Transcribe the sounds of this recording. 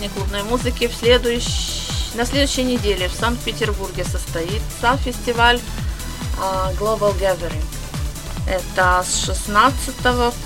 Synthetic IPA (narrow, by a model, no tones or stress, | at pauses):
nʲɪklˠubnojmuzɨkʲɪfsʲlʲed̪ʊjʊɕnɐsʲlʲed̪ʊɕːɪjənʲɪdʲelʲɪfsank̚pʲɪtʲɪrburɡʲɪsəst̪ɐit̪samfʲɪsʲtʲɪvalʲ | ɡlˠobəlˠɡavʲəɾʲɪŋ | ɛt̪əsʂɨsnat̪sɨt̪əvə